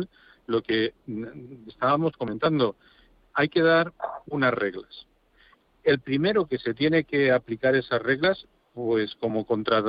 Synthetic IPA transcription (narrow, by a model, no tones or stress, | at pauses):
l | lo̞ke̞ | est̪aβamo̞sko̞me̞nt̪and̪o̞ | ajke̞ð̞aɾunazre̞ɣlas | e̞lpɾime̞ɾoke̞se̞t̪je̞ne̞ke̞aplikaɾe̞sazre̞ɣlas | pwe̞sko̞mo̞ko̞nt̪ɾat̪